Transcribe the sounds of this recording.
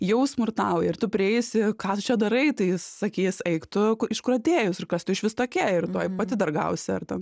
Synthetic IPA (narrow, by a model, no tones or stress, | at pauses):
jɛʊsmʊrt̪ɐʊjɛɪrt̪ʊpʲɾʲɪɛjsɪkɑːt̪ʊt͡ʃʲɛd̪ɐɾɐɪt̪ɐɪsɐkʲiːsɛɪkt̪ʊɪʃkʊɾɐt̪ʲeːjʊsɪrkɐst̪ʊɪʃʋʲɪst̪oːkʲiɪrt̪oːjpɐt̪ʲɪd̪ɐrɡɐ̰ʊsʲɛɐrt̪ʲɛn